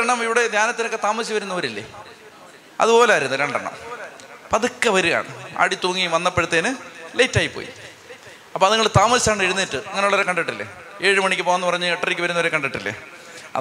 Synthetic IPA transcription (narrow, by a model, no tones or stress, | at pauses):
ɐɳɐmiʋiɽe̞d̪jaːnɐt̪ːinokːe̞t̪aːmɐɕiʋɐɾunːɐʋɐɾilːḛ | ɐ̰ðɨpo̞ːleaːiɾunːuɾeɳɖɐɳːɐ̰mpɐðɨkːɐʋɐɾuja̰ːɳɨ̰a̰ːɽit̪uːŋːiʋɐnːɐpːeɻut̪ːeːnɨlejtːaːjipːo̰ːjḭ | ɐpːoːɐðɨŋːɐɭt̪aːmɐsaːɳɨeɻunːiʈːɨɐŋːɐneuɭːɐɾekɐɳɖiʈːilːḛ | e̞ːɻɨmɐɳikʲːɨpoːnːupɐrɐɲːɨeʈːɐrikʲːɨʋɐɾunːɐʋɐɾekɐɳɖiʈːilːḛɐ̰